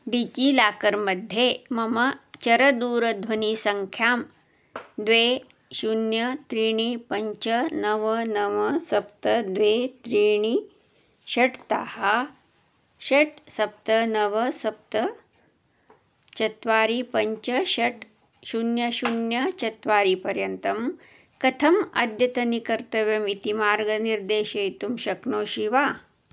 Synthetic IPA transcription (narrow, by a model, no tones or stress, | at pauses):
ɖit͡ɕiːlaːkəɾməd̪ʱjemɐmɐt͡ʃɐɾɐd̪uːɾɐd̪ʱʋɐniːsɐŋkʰjaːm | d̪ʋe | ɕunjɐt̪ɾiːɳ̃ipɐɲt͡ʃɐnɐʋɐnɐʋɐsɐp̚t̪əd̪ʋet̪ɾiːɳ̃i | ɕɐʈt̪aha | ʃɐʈsɐp̚t̪ɐnɐʋɐsɐp̚t̪ɐ | t͡ʃɐt̪ʋaːɾipɐɲt͡ʃɐʃɐʈ | ʃunjɐʃunjɐt͡ʃɐt̪ʋaːɾipɐɾjɐnt̪ɐm | kɐt̪ʰɐmɐ̰d̪jɐt̪ɐnikɐɾt̪ɐʋjɐmit̪imaːɾɡɐniɾd̪eːʃɐit̪umʃɐknoːʃiʋaː